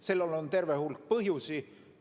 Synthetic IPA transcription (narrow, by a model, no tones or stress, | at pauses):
selːelont̪e̞rvehulk̚pɤɦjusi